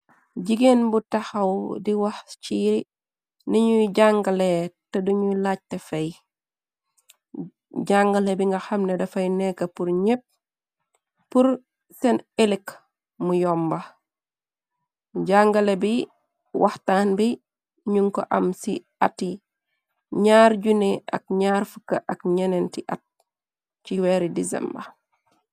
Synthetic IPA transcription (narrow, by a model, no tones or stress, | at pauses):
ɟiɡenbutɐxɐwdiwɐxt͡ʃiɾi | niɲuɟaŋɡaletɐduɲulaːc̚tefɐj | ɟaŋɡɐlebiŋɡɐxɐmnedɐfɐjnɛkɐpuɾɲep̚ | pːuɾ | sɛnelik | mujɔmbɐ | ɟaŋɡɐlebi | wɐhtaːnbi | ɲuŋko̰ʔɐmsi | atːi | ɲaːɾɟuneɐ̰k̚ɲaːɾfəkːɐʔɐkɲɐnentiʔɐ̰t̚ | t͡ʃiwɛɾidizɛ̰mbɐ̰